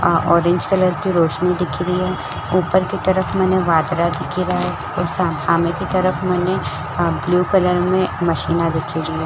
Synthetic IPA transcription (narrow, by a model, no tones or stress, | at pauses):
ɔːɾẽɲd͡ʒkɐləɾkiɾoːʃnid̪ɪkʰiɾiɦɛː | uːpəɾkit̪ɐɾəfmɛːneʋaːd̪ɾad̪ɪkʰiɾaɦɛ | osasaːmẽkit̪ɐɾəfmɛːne | bljuːkɐləɾmẽmɐʃiːnad̪ɪkʰiɾiɦɛː